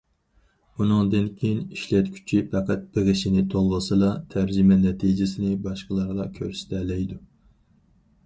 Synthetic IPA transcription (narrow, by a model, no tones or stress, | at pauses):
unɨŋd̪ɨnkʲʰejiniʃlɛt̪kʲʰy̥t͡ʃʰipɛqʰæt̪̚b̥ɪʁɪʃinɪt̪ʰolˠʁəsɨlˠɑt̪ʰæɾd͡ʒimɛnɛt̪ʰid͡ʒɪsɪnɪbɑʃqəlˠɑɾʁɑkʲʰøɾst̪ʰɛlɛjd̪u